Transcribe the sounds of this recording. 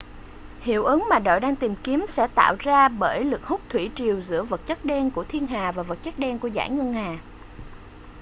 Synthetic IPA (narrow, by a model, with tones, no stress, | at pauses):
hḭ˧˩˨əwʔɨ˨˦ŋmaː˨˩ɗo̰˧˨jɗaː˧ŋt̪i˨˩mki˨˦msɛ̰˧˥t̪a̰ː˧˨wzaː˧ɓəː˧˩jlɨ˨˩k̚hʊ˦˥k͡p̚t̪ʰwi˧˩t͡ɕi˨˩əwzɨ̰˧˥əvə˨˩t̚t͡ɕə˦˥k̚ɗɛ˧nku˧˩ət̪ʰi˧ənɦaː˨˩vaː˨˩və˨˩t̚t͡ɕə˦˥k̚ɗɛ˧nku˧˩əza̰ː˧˩jŋə˧ŋhaː˨˩